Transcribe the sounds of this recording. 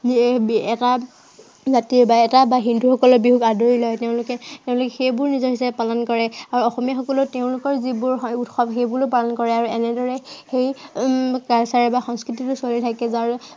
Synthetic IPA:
ɛta | zatiɹbaɛtabaɦinduxɔkɔlɔbiɦuɡadoɹilɔjteʊ̃lʊkɛteʊ̃lʊkɛxejbʊɹnizɔɦisabɛpalɔnkɔɹɛaɹuɔxɔmijaxɔkɔlʊteʊ̃lʊkɔɹzibʊɹutxɔbxejbʊɹopalɔnkɔɹɛaɹuɛnɛdɔɹɛxej | kaɹsaɹɛbaxɔ̃ŋskɹititʊsolitʰakɛzaɹ

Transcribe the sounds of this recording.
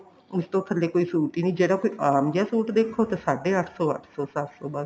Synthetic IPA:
ʊst̪õːkʰəlːeːkoːiːsuːʈiːnĩːd͡ʒeːɽaːkoːiːʔaːmd͡ʒaːsuːʈd̪eːkʰːoːt̪eːsaːɖeːəʈʰsɔːə̰ʈʰsɔːsasoːbəs

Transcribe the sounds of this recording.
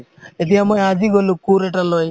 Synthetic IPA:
et̪iamaad͡ʒiɡɔlukuɾeʈaloj

